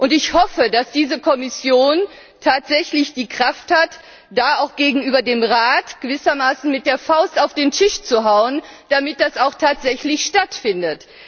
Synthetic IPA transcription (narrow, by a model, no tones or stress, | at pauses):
ʔʊntɪçhɔfədasd̥iːzəkʰɔmɪsjoːn | tʰaːtz̥ɛçlɪçd̥iːkʁ̥afthat | d̥aːaʊxɡ̥eːɡŋ̩ʔyːbɐdeːmʁaːtɡ̥əvɪsɐmaːsn̩mɪt̚d̥eːɐfaʊstaʊfd̥eːntʰɪʃt͡suɦaʊən | d̥amɪt̚d̥asaʊxtʰaːtz̥ɛçlɪçʃtatfɪndət